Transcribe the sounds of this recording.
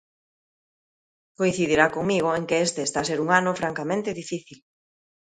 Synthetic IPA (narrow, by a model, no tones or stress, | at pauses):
koin̟θiðiɾakoŋmiɣ̞oeŋkeest̪eːst̪as̬eɾuŋanofɾaŋkamẽnt̪eðifiθil